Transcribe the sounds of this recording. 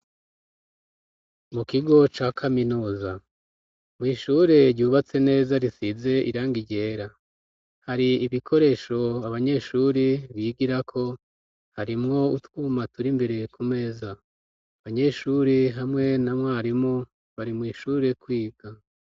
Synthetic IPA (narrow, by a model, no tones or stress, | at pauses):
mukiɡo̞t͡ʃaːkʰaminuːza | mŋiːʃuɾe̞ɾɟuːβat͡se̞ne̞ːzaɾisize̞ʔḭɾaːŋɡiɟe̞ːɾa | haɾiːβikʰo̞ɾe̞ːʃo̞aβaɲe̞ʃuɾiβiːɡiɾakʰo̞ | haɾimŋo̞utwuːmatuɾimbe̞ɾe̞kume̞ːza | aβaɲe̞ʃuɾeɦamŋe̞namŋwaaɾimo | βaɾimŋiːʃuɾe̞kwiːɡ̥a